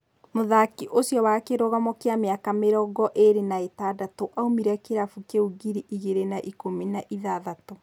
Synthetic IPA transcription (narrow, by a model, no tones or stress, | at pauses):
moðakiʔoɕjɔwakeɾoɣamɔkeameakameɾɔːɡɔʔeɾenaetadatoʔaomiɾakeɾafukeuɡiɾiʔiɣeɾenaʔikominaʔiðaðato